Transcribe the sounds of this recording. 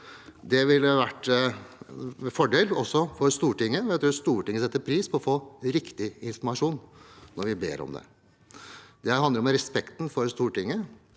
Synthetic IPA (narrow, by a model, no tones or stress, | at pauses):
d̪ɛʋɪlːəʋæʈː | fɔɖeːlɔsːɔfɔɾst̪uːʈɪŋːəɛjæt̪ɾʉːst̪uːʈɪŋːəsɛt̪ːəpʰɾiːspʰɔɔfoːɾɪkt̪ɪɪnfɔɾmɑʂuːnnːɔɾʋɪbḛːɾɔ̰md̪ɛ̰ | d̪ɛɦɑnd̪əɾɔmɾɛspɛkt̪nfɔɾst̪uːʈɪŋːə